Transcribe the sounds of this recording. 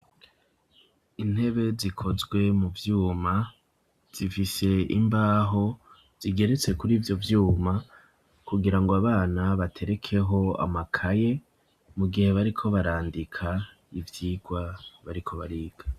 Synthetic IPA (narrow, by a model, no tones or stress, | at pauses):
in̥he̞βe̞zikʰo̞zɡwe̞muvjuːma | z̥ifise̞imbaːɦo̞ | z̥iɡe̞ɾe̞t͡se̞kuɾivjo̞vjuːma | kuɡiɾaŋɡoaβaːnaβatʰe̞ɾe̞kʰe̞ɦo̞a̰makʰaje̞ | muɡihe̞βaɾikʰo̞βaɾaːndikʰa | ivjiːɡwaβaɾikʰo̞βa̰ɾiːɡ̥a